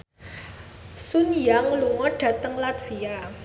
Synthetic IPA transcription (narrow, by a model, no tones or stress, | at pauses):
sunjaŋluŋɔɖ̥a̤t̪əŋlat̪fia